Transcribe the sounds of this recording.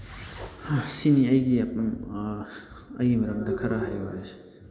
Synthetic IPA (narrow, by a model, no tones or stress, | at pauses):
siniɐjɡiam | ɐ̰jɡimɐɾɐŋ̚dɐkʰɐɾaɦajba̰jas